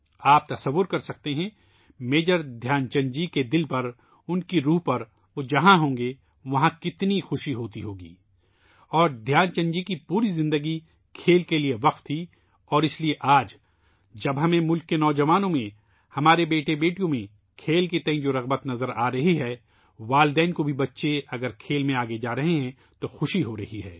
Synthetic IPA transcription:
aːp̚t̪ɐsɐʋːʊɾkɐɾsɐk̚t̪eɦɛ̃ | meːd͡ʒəɾd̪ʱjaːnt͡ʃɐ̃ɲd͡ʒiked̪ɪlpɐɾ | ʊnkiɾuːɦpɐɾ | ʋod͡ʒɐɦãɦõːŋɡe | ʋɐɦãkɪt̪nixʊʃiɦoːt̪iɦoːɡḭː | ɔːɾd̪ʱjaːnt͡ʃɐ̃ɲd͡ʒikipuːɾizɪ̃nd̪əɡi | kʰeːlkelieʋɐq̚t̪ʰːi | ɔːɾɪslieʔaːd͡ʒ | d͡ʒɐbɦɐmẽmʊlkːenɔːd͡ʒɐʋaːnõmẽ | hɐmaːɾebeːʈebeːʈijõmẽ | kʰeːlket̪ɐ̃ɦĩd͡ʒoːɾɐɣbət̪nɐzəɾaːɾɐɦiɦɛː | ʋaːld̪ɛːnkobʱibɐtːʃeɐɡəɾkʰeːlmẽaːɡed͡ʒaːɾɐɦeɦɛ̃ | t̪oxʊʃiɦoɾɐɦiɦɛː

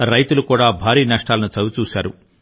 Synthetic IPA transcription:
ɾɐjt̪ulukuːɽaːbʱaːɾiːnɐʂʈaːlɐnut͡ʃɐɡut͡ʃuːsaːɾu

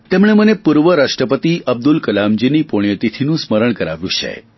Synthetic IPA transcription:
t̪emɳ̃emənepuɾʋəɾaʂʈɾəpət̪iəb̚d̪ulkəlamd͡ʒinipoɳ̃jət̪it̪ʰinũsməɾəɳ̃kəɾa̰ʋjũt͡ʃʰḛ

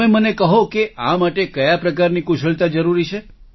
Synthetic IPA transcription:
ẽmənekəɦõkeamaʈekəjapɾəkaɾnikuʃəɭt̪ad͡ʒəɾuɾit͡ʃʰe

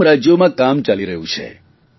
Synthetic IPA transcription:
ɾad͡ʒjomãkamt͡ʃaliɾəɦṵ̃t͡ʃʰḛ

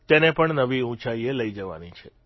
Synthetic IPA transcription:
t̪enepəɳnəʋiũt͡ʃaieləid͡ʒəʋa̰nit͡ʃʰe

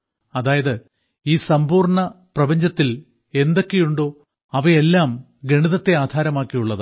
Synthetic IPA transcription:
ɐðaːjɐðɨ | iːsɐmbuːrɳɐprɐbɐɲd͡ʑɐt̪ːil | e̞nd̪o̞kːejuɳɖo̞ː | ɐʋɐelːaːm | ɡeɳiðɐt̪ːe̞aːd̪ʱaːɾɐmaːkːijuɭːɐðɨ

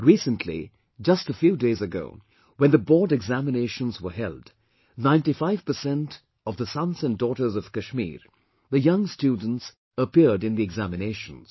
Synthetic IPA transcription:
ɹisə̃ntʰlḭ | d͡ʒʌstəfjudeɪzɨɡo̰ʊ | wə̃nðəbɔːdɨɡzæmɨneɪʃə̃nzwə˞ɦɛ̰lˠd | nãɪ̃ntifaɪv̥pə˞sɛ̃nt | ʌvðəsʌ̃nzɨ̃ndɔɾə˞zʌv̥kɨʃmḭɹ | ðɨjʌ̃ŋstudⁿn̩ts | əpɪɹdɨ̃nðiɨɡzæmɨneɪʃə̃n̩z̥

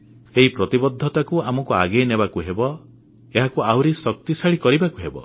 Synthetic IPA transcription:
eɦipɾɔt̪ibɔd̪ʱːɔt̪akuamɔkua̰ɡenebakuɦebɔ | eɦakuawɾisɔk̚t̪isaɭikɔɾibakuɦebɔ̰

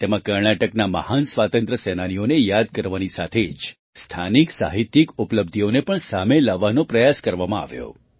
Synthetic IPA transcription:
t̪emãkəɾɳaʈəknamə̰hansʋat̪ə̃nt̪ɾəsɛnanijonejad̪̚kəɾʋanisat̪ʰed͡ʒ | st̪ʰaniksa̰ɦit̪ikupləb̚d̪ʱionepəɳsamelaʋanopɾəjaskəɾʋamãa̰ʋjo̰

